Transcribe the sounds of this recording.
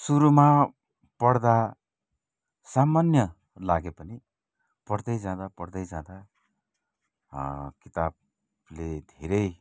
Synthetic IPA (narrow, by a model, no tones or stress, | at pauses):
suɾuma | pʌɽd̪a | samanjʌ | laɡepʌni | pʌɽd̪ʌjd͡zãd̪apʌɽd̪ʌjd͡zãd̪a | kit̪ab̚ | led̪ʱeɾʌj